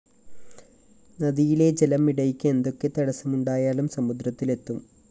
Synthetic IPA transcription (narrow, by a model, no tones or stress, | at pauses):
nɐðijile̞d͡ʑe̞lɐmːiɽɐjikʲːe̞nd̪o̞kːe̞t̪ɐɽɐsɐmuɳɖaːjaːɭumsɐmud̪ɾɐt̪ːile̞t̪ːum